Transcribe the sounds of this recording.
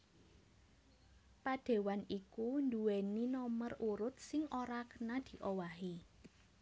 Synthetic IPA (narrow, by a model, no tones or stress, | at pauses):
pad̪̥e̤wanikund̪uweninɔməruɾʊt̪̚sɪŋʔoɾakənad̪̥i̤ʔowaɦi